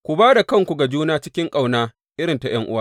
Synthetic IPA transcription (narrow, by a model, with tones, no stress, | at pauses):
kʷu˨baː˦da˨kɐ˦˨ŋkʷu˨ɡa˨d͡ʒuː˦naː˦t͡ʃɪ˦kʲɪ˦ŋkʼa˦wnaː˦ | ʔɪ˦ɾɪ˨nta˨j̰ɐ˦ŋʔʊ˦waː˦